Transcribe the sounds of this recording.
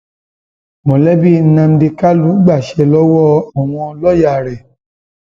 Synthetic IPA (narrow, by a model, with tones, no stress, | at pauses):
mɔ̃˨lɛ˦bi˦nã˧m̩˦de˧ka˦lu˨˦ɡ͡ba˦˨ʃɛ˧lɔ˦wɔ˦a˦˨w̃ɔ̃˧lɔ˦ja˦˨ɾɛ˨